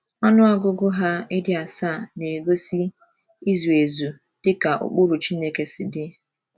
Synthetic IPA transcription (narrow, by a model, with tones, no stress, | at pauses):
ɔ˦nʊ˦a˦ɡʊ˦ɡʊ˦ɦa˦ɪ˦dɪ˦a˨sa˦˨ne˨ɡo˦si˦ | i˦zu˨e˨zu˨ | d̥ɪ˦ka˨ʔʊ̰˨k͡pʊ˦ɾu˨t͡ʃi˦ne˦ke˨sɪ˨dɪ˦